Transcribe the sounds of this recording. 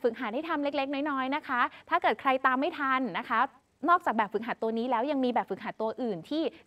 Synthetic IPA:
fɯ˨˩k̚ɦaː˩˦da˥˩jt̪ʰa˧mle˦˥k̚le˦˥k̚nɔː˦˥jnɔː˦˥jna˦˥kʰa˦˥t̪ʰaː˥˩kɤː˨˩t̪̚kʰɾa˧jt̪aː˧mːa˥˩jt̪ʰa˧nːa˦˥kʰa˦˥ | nɔː˥˩k̚t͡ɕaː˨˩bɛː˨˩p̚fɯ˨˩k̚ɦaː˩˦t̪u˧ɐniː˦˥lɛː˦˥wja˧ŋmiː˧bɛː˨˩p̚fɯ˨˩k̚ɦaː˩˥t̪u˧ɐʔɯː˨˩nt̪ʰiː˥˩

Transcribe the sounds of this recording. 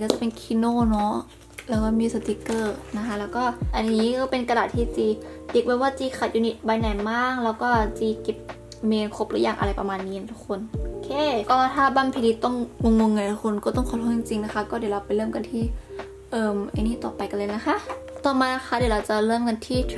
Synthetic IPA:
ka˧˩a˨˧˩pe˧nkʰi˧noː˧˨nɔ˦˥ | lɛː˧˥˩wkɔː˧˩miː˧˥˨sa˧˩t̪i˧˦kɤː˧˩na˧kʰa˧˥lɛː˧˥wkɔː˥˩ʔa˧nːiː˧˦˥kɔː˧˩pe˧nka˧daː˨˩t̪̚ʰːiː˧˩t͡ɕiː˧˩ | t̪i˧˦k̚bɛː˧waː˧˩t͡ɕiː˧kʰa˧˩t̪̚juː˧ni˧t̪̚ba˧jna˨˩jmaː˥˩k̚lɛː˧˩wkɔː˥˩t͡ɕiː˧˩ke˧˥p̚ | meː˧nkʰo˧˥p̚ɾɯː˧˥˨jaː˧˩ŋʔa̰˧ɾa˧˩jpa˧maː˧˨nːiː˧˨ɛ˧t̪ʰu˧kʰːo˧˨no˧˨kʰeː˧˩˨kɔː˧˩˧t̪ʰaː˧˩ba˧˨pʰi˧˨i˧t̪ɔ˥˩˨ŋŋo˧ŋːo˧ŋːa˧˩t̪ʰu˧˩kʰo˧˨nkɔː˧˩t̪ɔ˥˩ŋkʰɔ˧˩t̚ʰɔː˧˥˩t͡ɕi˧ŋt͡ɕi˧ŋna˧kʰa˧˩kɔː˥˩de˨˩˨la˧wpa˨jlɤː˥˩˨mka˧˨nt̪ʰiː˧˩ | ʔɤː˧mʔa̰˧nːiː˧˥˨t̪ɔː˨˩pa˨jka˧˨lɤː˧˨na˧˥kʰa˧˥˨ʔt̪ɔː˨˩maː˧na˧˥xʰa˧˩dla˧wt͡ɕa˧lɤː˥˨mka˧˨nt̪ʰiː˧˩

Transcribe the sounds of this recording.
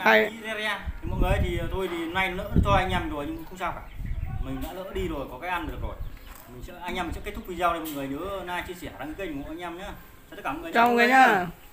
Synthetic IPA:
a˧˨i˧ze˧ɾi˧aː˧t̪ʰi˨˩mɔ̰˧˨ŋɨ˨˩jə˨˦jt̪ʰi˨˩˨t̪ʰo˧jt̪ʰi˨˩na˧jnə̰ː˧˥t͡ɕɔ˧aː˧jŋa˧mzo˨˩jɲɨ˧ŋm˧˨˩kʊ˨˦˥ŋ͡msaː˧wkaː˧˩mï˨˩ŋ̟ɗa̰ː˧˥lə̰ː˧˥ɗi˧zo˨˩jkɔ˨˦kaː˨˦jʔa˧nɗɨ˨˩ək̚zo˨˩jmi˨˩ŋ̟sɛ̰˧˥ʔaː˧ŋɲa˧mi˨˩sɛ̰˧˥kt̪ʰʊ˥k͡p̚vi˧˩zaː˧wa˧˩mɔ̰˧˨ŋɨ˨˩əjnɨ̰˧˦ə˧naː˧jt͡ɕɨ˧si˧˩ə˩˨ɗaː˧ŋɨ˧˦kə˧˥˧ɔ˧˨ʔaː˧ɲaː˧mɲaː˨˧˦ | t̪ə˦˥kːmɔ̰˧˨ŋː˨a˧˨ŋ˨˧˦ɲaː˧

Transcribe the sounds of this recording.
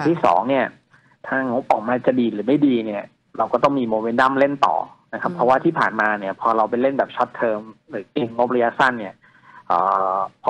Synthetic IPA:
ŋt̪ʰiː˥˩sɔ̰ː˩˦ŋni˥˩ɐ | t̪ʰaː˥˩ŋo˦˥p̚ʔɔː˨˩k̚maː˧t͡ɕa˨˩diː˨˩lɯː˩˦ma˥˩jdiː˧ni˥˩ɐ | ɾa˧wkɔː˥˩ɔ˥˩ŋmiː˧moː˧me˧˦˥nda˥˩˨mle˥˩nt̪ɔ̰ː˨˩na˦kʰa˦˥pʰɾɔ˦˥waː˥˩t̪ʰiː˥˩pʰa̰ː˨˩nmaː˧ni˥˩ɐpʰɔː˧ɾa˧wpa˧jle˥˩nbɛː˨˩p̚t͡ɕʰɔ˦˥t̪ʰːɤː˧mɾɯː˩˦ke˧ŋːo˦˥p̚ɾa˧ja˦˥sa˥˩nːi˥˩ɐ | ʔə̰ː˨˩pʰ

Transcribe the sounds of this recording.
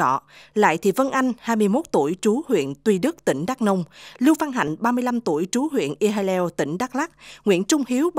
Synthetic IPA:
ɔ̰˧˨la̰ː˧˨jt̪ʰḭ˨və˧nʔa˧jŋ̟haː˧jmɨ˧əjmo˦˥t̚t̪u˧˩əjt͡ɕu˨˦hwḭ˧˨ənt̪wi˧ɗɨ˦˥k̚t̪ï˧˩ŋ̟ɗaː˦˥nə˧wŋ͡mlɨ˧wva˧nɦa̰˧˨jŋ̟ɓaː˧mɨ˧əjla˧mt̪u˧˩əjt͡ɕu˨˦ɦwḭ˧˨ənʔi˧ɦa˧lɛ˧wt̪ï˧˩ŋ̟ɗaː˦˥k̚la˦˥k̚ŋwḭ˧˨ənt͡ɕʊ˧ŋ͡mɦi˨˦əwɓ

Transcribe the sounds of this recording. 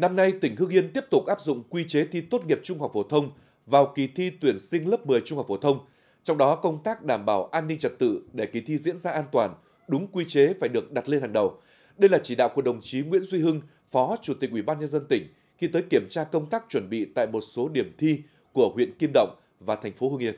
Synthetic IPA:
na˧mna˧jt̪ï˧˩ŋ̟ɦɨ˧əŋʔi˧ənt̪i˦˥əp̚t̪ʊ˨˩k͡p̚ʔaː˦˥p̚zʊ̰˧˨ŋ͡mkwi˧t͡ɕe˨˦t̪ʰi˧t̪o˦˥t̚ŋi˨˩əp̚t͡ɕʊ˧ŋ͡mha˨˩k͡p̚fo˧˩t̪ʰə˧wŋ͡m | vaː˨˩wki˨˦t̪ʰi˧t̪wi˧˩ənsï˧ŋlə˦˥p̚mɨ˨˩əjt͡ɕʊ˧ŋ͡mha˨˩k͡pfo˧˩t̪ʰə˧wŋ͡m | t͡ɕɔ˧wŋ͡mɗɔ˨˦kə˧wŋ͡mt̪aː˦˥k̚ɗaː˧˩mɓaː˧˩wʔaː˧nːï˧ŋ̟t͡ɕə˨˩t̚t̪ɨ̰˧˨ɗe˧˩ki˨˩t̪ʰi˧zḭ˧˥ənzaː˧ʔaː˧nt̪waː˨˩n | ɗʊ˨˦ŋ͡mkwi˧t͡ɕe˨˦faː˧˩jɗɨ˨˩ək̚ɗa˨˩t̚le˧nhɦaː˨˩ŋɗə˨˩w | ɗə˧jlaː˨˩t͡ɕi˧˩ɗa̰ː˧˨wku˧˩ɗə˨˩wŋ͡mt͡ɕi˨˦ŋwḭ˧˥ənzwi˧ɦɨ˧ŋ | fɔ˨˦t͡ɕu˧˩t̪i˨˩k̚ʔi˧˩ɓaː˧nɲə˧nzə˧nt̪ï˧˩ŋ̟ | xi˧t̪əː˨˦jki˧˩əmt͡ɕaː˧kə˧wŋ͡mt̪aː˦˥k̚t͡ɕwə˧˩nɓḭ˧˨t̪a̰ː˧˨jmo˨˩t̚so˨˦ɗi˧˩əmt̪ʰi˧ | ku˧˩əhwḭ˧˨ənki˧mɗə̰˧˨wŋ͡m | vaː˨˩t̪ʰɛ˨˩ŋ̟fo˨˦ɦɨ˧ŋʔi˧ən

